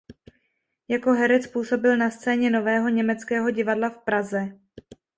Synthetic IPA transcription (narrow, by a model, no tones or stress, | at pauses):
jako̞ɦɛɾɛt͡spuːso̞bɪlnast͡sɛːɲɛno̞vɛːɦo̞ɲɛmɛt͡skɛːɦo̞ɟɪvadlafpɾazɛ